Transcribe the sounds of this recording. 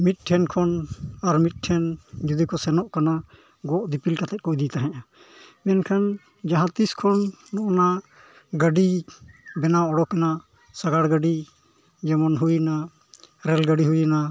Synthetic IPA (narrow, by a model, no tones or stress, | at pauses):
mit̪̚ˀʈʰɛnkʰɔnaɾmit̪̚ˀʈʰɛnd͡ʒud̪ikɔsɛnɔʔkana | ɡɔʔd̪ipilkat̪ɛt̪̚kɔʔd̪it̪aɦɛ̃ja | mɛnkʰan | d͡ʒaɦãt̪iskʰɔnːɔʔɔna | ɡəɖibɛnaɔɽɔkɛna | saɡaɽɡəɖi | d͡ʒɛmɔnɦujna | ɾɛlɡəɖiɦujna